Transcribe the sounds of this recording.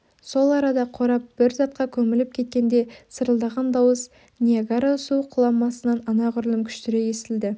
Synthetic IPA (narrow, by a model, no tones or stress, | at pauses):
so̞lˠɑɾɑd̪ɑqʰoɾɑp̚b̥ɪɾzɑt̪̚qɑkʲʰɵmɪlɪp̚kʲʰe̞t̪̚kʲe̞nd̪e̞səɾəlˠd̪ɑʁɑnd̪ɑwəs | nʲieɡaɾasuqʰʊlˠɑmːɑsənɑnɑnɑʁʏɾlˠɪmkʲʰʏ̥ʃt̪ɪɾe̞je̞st̪ɪld̪ɪ